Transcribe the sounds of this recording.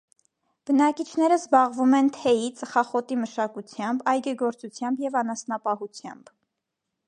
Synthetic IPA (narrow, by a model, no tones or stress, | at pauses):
b̥ənɑkit͡ʃʰn̪ɛɾəzbɑʁvumɛnt̪ʰɛjit͡səχɑχɔt̪iməʃɑkut͡sʰjɑmbɑjɡɛɡɔɾt͡sut͡sʰjɑmbjɛvɑnɑsnɑpɑhut͡sʰjɑ̰mb̥